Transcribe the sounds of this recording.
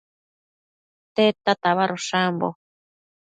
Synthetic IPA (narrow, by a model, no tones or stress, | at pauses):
t̪et̪at̪aβaɾoʂambo̰